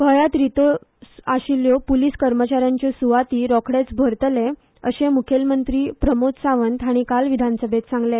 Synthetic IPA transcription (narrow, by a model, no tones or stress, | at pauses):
kəjat̪ɾit̪oaɕiljɔpuliskəɾmət͡ɕaɾjaɲt͡ɕesuʋat̪iːɾɔkʰɽet͡sbʱəɾt̪le | əɕemukʰelmənt̪ɾiːpɾəmot̪saʋənt̪aɽ̃ikalʋid̪ʱansəbʱet̪sãŋɡle